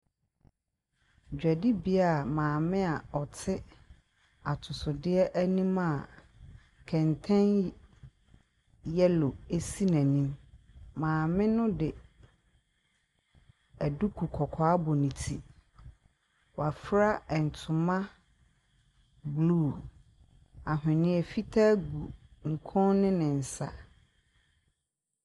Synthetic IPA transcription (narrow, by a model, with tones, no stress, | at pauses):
d͡ʑᶣɛ˨dɪ˦bi˦a˨mãː˨mɪ̃˦a˨ɔ˨tʰɪ˦ | a˨tʰʊ˨sʊ˨dɪ˦ɛ˦ʔæ˦nĩ˦mã˨ | kʰɛ̃˨ntʰɛ̃˦n | jɛ˦lo˨e˦si˦nɛ̃˨nĩ˦m | mãː˨mɪ̃˦nʊ̃˦dɪ˨ | æ˨du˦kʰu˨kʰɔ˨kʰɔ˨a˦bɔ˨nĩ˨tʰi˦ | wa˨fɾa˦ɛ˨n̩˨tʰʊ̃˨mã˦ | bluː˦˨ | a˨ɦɪ̃˨nɪ̃˦ɛ˨fi˦tʰa˦ɡu˨ŋ̩˨kʰɔ̃˦nnɪ̃˦nɪ̃˨n̩˨sa̰˨